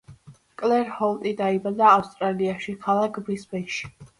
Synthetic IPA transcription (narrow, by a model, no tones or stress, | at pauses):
kʼlɛɾhɔlˠt̪ʼid̪aibad̪aːfst̪ʼɾaliaʃikʰalˠakʰbisbɛʃi̥